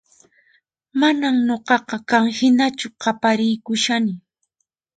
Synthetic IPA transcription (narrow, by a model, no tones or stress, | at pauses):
manamɲoɢɑqɑkaŋhɪnat͡ʃʊqɑpaɾɪjkʊʃanɪ